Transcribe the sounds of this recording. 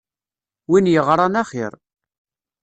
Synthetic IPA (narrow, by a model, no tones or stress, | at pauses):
winjəʁɾˤɑnaχɪ̰ɾˤ